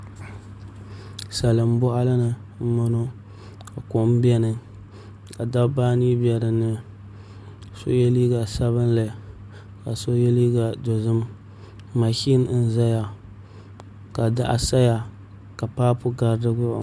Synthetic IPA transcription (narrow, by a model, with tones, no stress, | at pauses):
sa˨lɨ˨m˦bʊ˦ʔa˦la˦nɨ˨m̩˦ma˦no˦ | ka˨kʊ˨ʔm˦bɛ˦nɨ˨ | ka˨da˦bbaː˦ni˦bjɛ˨ɾɨ˨nɨ˦ | so̰˦jɛ˦li˦ɡa˨sa˦βɨ˦n˦la˨ | ka˨so˦jɛ˦li˦ɡa˨do˨zɨ˦mː | a˨ʃi˦n˦n̩˦za˦ja˨ | ka˨da˦ʔa˨sa˦ja˨ | ka˨paː˦pʊ˦ɡa˨ɾdɨ˦ɡʊ̰˦˨